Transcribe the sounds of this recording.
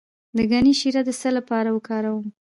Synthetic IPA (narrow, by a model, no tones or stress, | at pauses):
d̪əɡaniʃiɾad̪əsəlapɑɾawəkɑɾawəm